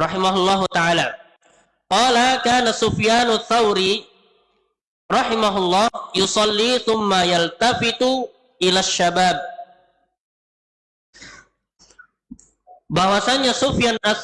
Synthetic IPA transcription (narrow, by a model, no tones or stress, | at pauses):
ɾˤɑħimaɦʊlːɑːɦut̪aʕala | qɑːlakaːnasʊfjaːnʊθːawɾi | ɾɑħimaɦʊlːɑːhjusɑlːiθʊmːajalt̪afɪt̪u | ʔilaʃːabaːb̚ | bawasaɲasʊfjanʔa